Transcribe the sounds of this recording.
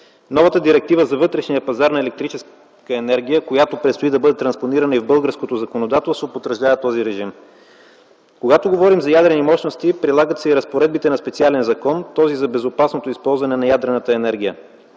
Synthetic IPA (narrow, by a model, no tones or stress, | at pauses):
nɔvət̪əd̪iɾɛk̚t̪ivəzɐvɤt̪ɾɛʃnijəpɐzaɾnɐɛlɛkt̪ɾit͡ʃɛs | kəɛnɛɾɡʲijəkojat̪opɾɛt̪st̪oid̪ɐbɤd̪ɛt̪ɾɐnsponiɾəɐnəivbɤlˠɡəɾskot̪ozɐkonod̪at̪ɛlˠst̪vopot̪ɾəʒd̪avət̪ɔziɾɛʒim | koɡat̪oɡovɔɾimzɐjad̪ɾɛnimɔʃnost̪ipɾilˠaɡət̪sɛiɾɐspoɾɛd̪̚bit̪ɛnɐspɛt̪sialɛnzɐkɔnt̪ɔzizɐbɛzopasnot̪oispɔlˠzvɐnɛnɐjad̪ɾɛnət̪əɛnɛɾɡʲijə